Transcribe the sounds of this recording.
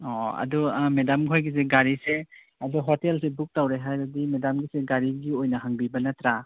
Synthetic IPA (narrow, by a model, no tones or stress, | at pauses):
ɔɐ̰dumedamɡiɦojɡis̬eɡaɾise | ɐduɦotelsebuk̚tawɾeɦajbɐdimedamɡiseɡaɾiɡiojnɐɦaŋbibɐnɐtɾa